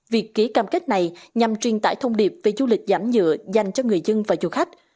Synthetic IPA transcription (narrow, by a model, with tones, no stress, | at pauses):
vi˨˩əkːi˨˦əkaː˨˧˩mke˦˥k̚na˨˩jɲa˨˩mt͡ɕwi˨˩ənt̪a̰ː˧˩jt̪ʰə˧wŋ͡mɗi˨˩əp̚ve˨˩zu˧lï˨˩k̟̚zaː˧˩mzɨ̰˧˨əza˨˩jŋ̟t͡ɕɔ˧ŋɨ˨˩əjzə˧ŋvaː˨˩zu˨˧˩xa˦˥jk̟̚